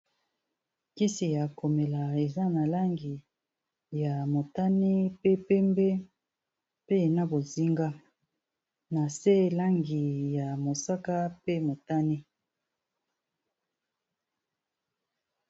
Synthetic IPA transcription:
ki˦si˨ja˨ko˨me˨la˨e˨za˦na˨la˦ŋɡi˨ | ja˨mo˨ta˦ne˦pe˦pɛ˦mbɛ˦ | pe˦e˨na˦bo˨zi˦ŋɡa˦ | na˨se˦la˦ŋɡi˨ja˨mo˨sa˦ka˦pe˦mo˨ta˦ne˦

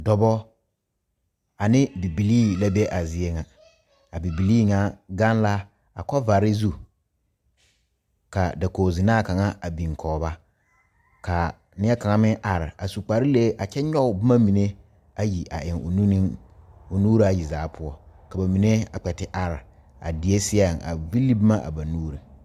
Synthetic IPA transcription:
dɔ˨bɔ˦ | a˨nɪ̃˦bi˨bi˨liː˦la˦bɛ˦ʔa˨zɪ˨e˦ŋa˨ | a˨bi˨bi˨li˦ŋa˨ɡã˦n˦la˦ | a˨kɔ˦va˨ɾɪ˦zu˦ | ka˨da˨koː˨zi˨nãː˦˨ka˨ŋa˦a˨bĩ˨ŋ˨kʰɔː˨ba˦ | ka˨ | nɪ˦ɛ˦ka˨ŋa˦mɪ̃˦ŋʔa˨ɾɪ˨a˨su˨k͡pa˨ɾi˦le˦ʔa˨t͡ʃɛ˦ɲɔ˦ʊ˨bɪ˦ma˦mi˨ne˦ | a˦ji˨ʔa̰˨ʔɪ˨ŋo̰˨nu˦ni˦ŋʊ˨nuː˦ɾi˦a˨ji˨zaː˨˦pʰʊ˦ɔ˦ka˨ba˨mi˨ne˦a̰˨k͡pɛ˨tɪ˦ʔa˨ɾɪ˨ | a̰˨dɪ˨e˦sɪ˦a˦˨ŋa̰˨vi˦li˦bma˦ʔa̰˨ba˨nuː˦ɾi˨

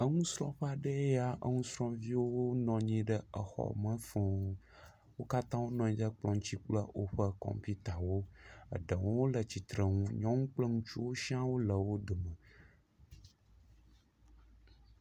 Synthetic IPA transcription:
ə˦ŋũ˦sɾɔ̰̃˦ɸa˨ɖə˦ja˨ʔə˦ŋũ˦sɾɔ̃˦vi˦wo˦wo˦nɔ̃˨ɲĩ˦ɖə˦ə˨xɔ̰˨mə̃˦fe˨ũ˦ | wo˦ka˦t̪ã˦wo˦nɔ̃˨ĩ˦d̪ə˦k͡plɔ̃˨ŋũ˦t͡ɕi˦k͡plə˦wʔo˦ɸə˦kɔ̰̃˨m˨pi˦t̪a˨wo˦ə̰˨ɖə˨wo˦wo˦lə˨t͡ɕi˨t̪ɾə˨ŋũ˦ɲɔ̃˦ŋũ˦k͡plə˦ŋũ˦t͡ʃu˦wo˦ʃi˦ã˦wo˦lə˨wo˦ɖ̪ə˨mə̃˨

